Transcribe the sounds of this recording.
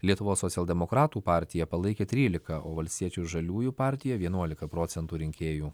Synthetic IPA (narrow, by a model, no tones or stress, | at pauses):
lʲiɛt̪ʊʋoːsːɔt̪sʲɛlʲˠd̪ʲɛmokɾɑːt̪uːpɑːˑɾʲt̪ʲɪjɛpɐlˠɐɪkʲeːt̪ʲɾʲiːlʲɪkɐʔoːʋɐlʲsʲt̪ʲiɛt͡ʃʲuːʒɐlʲuːjuːpɑːˑɾʲt̪ʲɪjɛʋʲiɛnuɔlʲɪkɐpɾoːt̪sʲɛnt̪uːɾʲɪŋʲkʲeːjuː